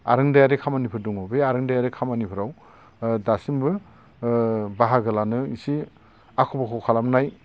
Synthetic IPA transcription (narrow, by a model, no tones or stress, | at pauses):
a̰ɾɯŋdajaɾekʰamanipʰɯɾduŋɔbejaɾɯŋdajaɾekʰamanipʰɯɾaw | dasimbɯ | baɦaɡɯlanɯisi | akʰobakʰokʰalamnaj